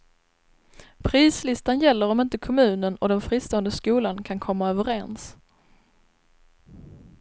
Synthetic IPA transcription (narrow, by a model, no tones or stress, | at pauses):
pʰɾiːslɪst̪anjɛlːəɾɔmɪnt̪əkʰɔmʉ̟ːnənɔd̪ɛnfɾiːst̪oːənd̪əskuːlankʰankʰɔmːaœːvəɾɛns